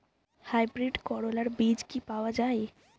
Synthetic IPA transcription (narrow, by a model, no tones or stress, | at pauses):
hajbɾiɖkɔɽolaɾbid͡ʑkipaoad͡ʑae